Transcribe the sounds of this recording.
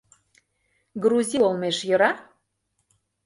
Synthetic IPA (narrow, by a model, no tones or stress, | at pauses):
ɡɾuzʲiolmeʃjɤ̆ɾɑ